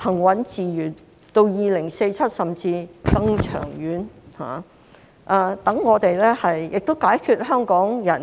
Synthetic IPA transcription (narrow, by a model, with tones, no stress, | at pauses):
hʰɐ˨˩ŋwɐ˨˥nt͡siː˨jyː˨˩n | t̪o˧wjiː˨˩lɪ˨˩ŋse˧jt͡sʰɐ˥t̚sɐ˨mt͡siː˧kɐ˧ŋt͡ʃʰœ̰ː˨˩ŋjyː˨˥nha̰ː˨ | ʔaː˧t̪ɐ˨˥ŋːɔː˨˧t̪e˨jlɛː˥hɐ˨jjɪ˨k̚t̪o˥wkaː˨˥jkʰyː˧t̚ɦœː˥ŋkɔː˨˥ŋjɐ˨˩n